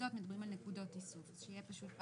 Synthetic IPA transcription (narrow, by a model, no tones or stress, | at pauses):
ot̪medabʁimalnekudo̞t̪isufʃejepaʃut̪̚